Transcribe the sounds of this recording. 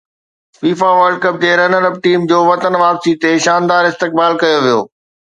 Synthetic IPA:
fiːfaʋəɾɖkəp̚d͡ʑ̪eɾɐnəɾəp̚ʈiːmd͡ʑoːʋɐt̪ənʋaːpsit̪eʃaːnd̪aːɾɪst̪ɪk̚baːlkɐjoʋijo̰ː

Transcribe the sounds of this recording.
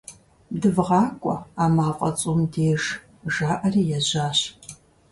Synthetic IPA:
dɨvʁɑːkʷʼɔaːmaːqʷʼɐt͡sʼumdeːʒ | ʒaːʔɐriːjɛʑaːɕ

